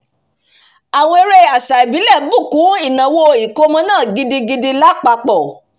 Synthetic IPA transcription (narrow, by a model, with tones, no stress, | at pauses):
a˨w̃ɔ̃˧e˧ɾe˧a˨sa˨i˨bi˨˦lɛ˦˨bu˦˨kũ˨˦i˦˨nã˨wo˧i˨ko˧mã˧nãː˦˨ɡi˧di˧ɡi˧di˧la˦k͡pa˧k͡pɔ˨